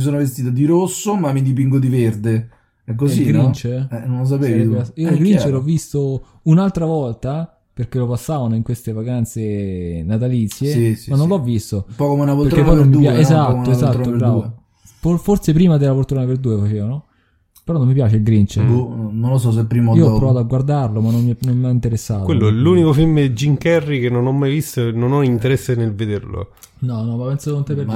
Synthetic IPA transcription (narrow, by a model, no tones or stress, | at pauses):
mis̬oːnovest̪iːt̪ad̪iɾosːomamːid̪ipiŋɡod̪iverd̪e | ɛk̬ːoziɡɾint͡ʃeɛnõnlos̬apeːiaiːolɡɾint͡ʃeɾɔvːist̪o | unalt̪ɾavɔlt̪a | perk̟elopasːaːvanoiŋkwest̪evakant̪senat̪alit̪sːjeimanːõnlɔvːist̪oumpɔkomeunapoɾpeɾt̪ɾkeppːɔjnoemmiupjaezat̪ːoezat̪ɾoːopɾue | foforsepɾiːmad̪elafort̪uɾonaperd̪uːefat͡ʃeːvano | peɾɔnːomːip̬jaːt͡ʃelɡɾint͡ʃeunonlos̬ɔs̬epːɾiːmoioɔpːɾovaːt̪oaɡward̪arlomanːomːnomːaint̪eɾesːa̰ːt̪welːoɛlunikofilmd͡ʒːiŋkɛrːikenːonɔmːajvist̪ononɔint̪eɾɛsːenelved̪erlo̰ | nɔnɔmapːensaokont̪epːeɾ